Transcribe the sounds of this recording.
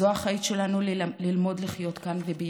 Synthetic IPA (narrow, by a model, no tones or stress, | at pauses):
oaχait̪ʃe̞lanulilmo̞dliχjo̞t̪kanvebe